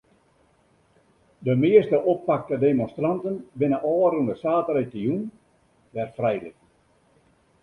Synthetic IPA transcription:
dəmɪəstəʔoppak̚tədemõnstrantənbɪnəʔɔːrunəsaːtəretəjun | ʋɛrfrɛjlɪ̰t

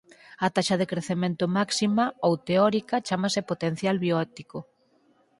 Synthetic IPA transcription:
ɐt̪aʃɐðekɾeθemẽnt̪omaksimaowt̪eɔɾikɐt͡ʃamasepot̪en̟θjalβjoɛt̪iko

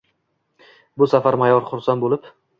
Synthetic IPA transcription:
bʊsafaɾmajɒɾχʊɾsanbolɪp

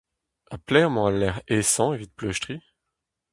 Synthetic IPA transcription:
aplɛʁmɔ̃alːɛʁesɑ̃evit̪̚plœʃt̪χi

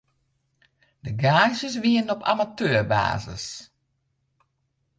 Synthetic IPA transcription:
dəɡaːʒəs̬ʋiənɔpʰa̰matøːrba̰ːzə̰s

